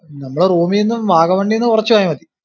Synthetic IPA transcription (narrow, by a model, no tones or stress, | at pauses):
nɐmːɐɭeruːmijenːumʋʱaːɣɐmʋeːɳɖijenːɨkurɐt͡ɕːuʋaːjumɐði